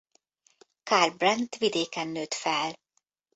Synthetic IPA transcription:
kaːrbrɛnt̪ʋid̪eːkɛnːøːt̪fɛl

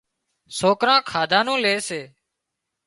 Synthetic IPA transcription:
soːkɾãːkʰaːd̪ʱãːnũːleːseː

